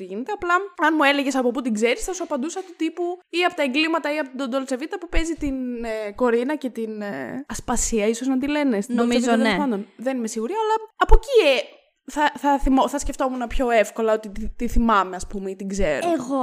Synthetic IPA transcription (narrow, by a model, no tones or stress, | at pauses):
ʝinet̪eɐplɐɐnmue̞leʝe̞sɐpoput̪iɡze̞ɾisθɐsuɐpɐnd̪usɐt̪ut̪ipuiɐpo̞t̪ɐeŋɡlimɐt̪ɐiɐpot̪id̪ond̪o̞lt͡sevit̪ɐpupe̞zit̪inko̞ɾinɐce̞t̪inɐspɐsiɐisoznɐt̪ile̞nest̪nolmsiezvizoɐepɐnd̪onðe̞nimesiɣuɾiɐlɐɐpo̞cie | θɐθɐθimoθɐsce̞ft̪o̞munɐpço̞efko̞lɐo̞t̪it̪it̪iθimɐmeɐspumeit̪iɡzeɾoeɣo